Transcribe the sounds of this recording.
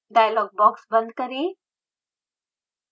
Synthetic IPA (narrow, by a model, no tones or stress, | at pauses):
ɖaːjalɔːɡ̚bɔːksbə̃nd̪kəɾeː